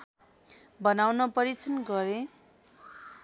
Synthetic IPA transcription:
bʌnawnʌpʌɾit͡sʰʌnɡʌɾe

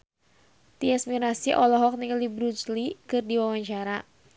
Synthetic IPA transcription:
t̪iɛsmiɾasiʔɔlɔɦɔk̚niklibɾut͡ʃlikɨrdiwawaɲt͡ʃaɾa

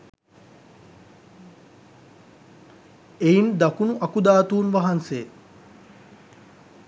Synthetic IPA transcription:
eind̪akunuʔakud̪aːt̪uːnʋaɦanseː

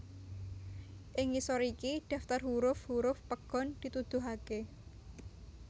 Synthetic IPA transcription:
ʔɪŋːisɔɾikid̪̥a̤ft̪ərɦuɾʊfhuɾʊfpəɡ̥ɔ̤nd̪̥i̤t̪ud̪̥uɦake

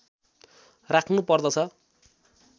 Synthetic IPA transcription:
rakʰnupʌrd̪ʌt͡sʰʌ

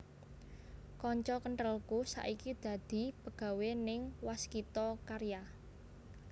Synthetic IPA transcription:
kɔɲt͡ʃɔkəɳʈəlkusa̰ʔikid̪̥ä̤d̪̥i̤pəɡ̥ä̤wenɪŋwaskit̪ɔkaɾja

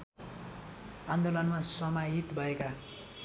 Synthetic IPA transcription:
and̪olʌnmasʌmaɦit̪bʱʌeka

